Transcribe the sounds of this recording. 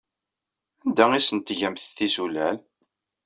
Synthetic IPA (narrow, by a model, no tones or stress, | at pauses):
ænd̪æisənt̪ʝæmθθisulæl